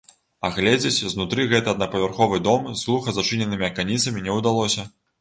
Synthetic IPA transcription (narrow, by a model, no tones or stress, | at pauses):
ɐɣlʲɛd͡zʲet͡sʲznut̪ɾɨɣɛt̪ɨɐd̪nɐpɐvʲɛrxɔvɨd̪ɔmzɣlˠuxɐzat͡ʂɨnʲɛnɨmʲiɐkanʲit̪sɐmʲinʲɛwd̪alˠɔsʲɐ